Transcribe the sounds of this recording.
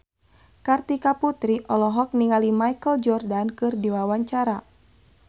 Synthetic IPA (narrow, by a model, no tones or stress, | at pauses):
kart̪ikaput̪ɾiʔɔlɔɦɔk̚niŋalimajkəld͡ʒɔrdankɨrdiwawaɲt͡ʃaɾa